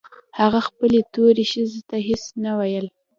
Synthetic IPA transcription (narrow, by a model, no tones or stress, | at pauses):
haɣaxpəlet̪oɾeʃəzet̪aɦesnawajəl